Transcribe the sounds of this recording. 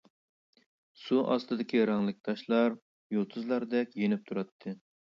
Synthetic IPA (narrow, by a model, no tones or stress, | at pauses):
suʔɑ̰st̪ɨd̪ɪkʲiɾɑŋlˠɨk̚ʲt̪ʰɑʃlˠɑɾ | jolˠt̪ʰuzlˠɑɾd̪ɛkʲjenɪp̚t̪ʰuɾɑt̪ʰːɨ